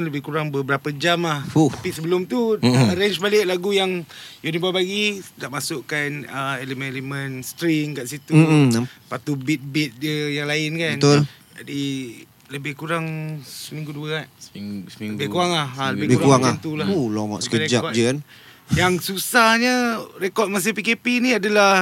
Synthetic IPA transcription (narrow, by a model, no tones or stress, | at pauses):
nləbɪhkuɾaŋbəbəɾapəd͡ʒamlahuapisəbəlʊmt̪uəɾɛɲt͡ʃbalɪʔlaɡujaŋ | junibabaɡidaʔmasʊʔkanəelemənelemənst̪ɾiŋkaʔsit̪upat̪ubɪt̪̚bɪt̪̚diəjaŋlaɪnkaənt̪ol | d͡ʒadi | ləbɪhkuɾaŋsəmĩŋɡuduəkaʔ̚ | bɪkuaŋlahaləbɪbɾakuaŋant̪ulaholoŋɔ̰ʔsə̥kəɾed͡ʒaɔd͡ʒən | jaŋsusahɲərekɔt̪̚mas̬ɪhpikepinĩadala